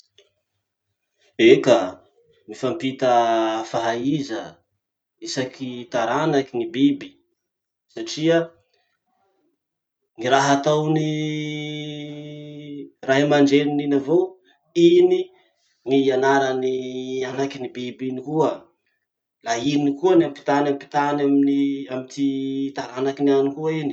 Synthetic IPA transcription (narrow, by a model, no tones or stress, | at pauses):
eka | mifampit̪əfaɦaizə | isakʰit̪aɾanakinibibi̥ | saʈ͡ʂia | niɾaɦat̪awni | raɦimaɳɖ͡ʐenininavow | ini | ŋiianaɾanianakinibibinikuə | lainikuənampi̥t̪anampi̥t̪anaminiamit̪ʰit̪aɾanakinianikuaini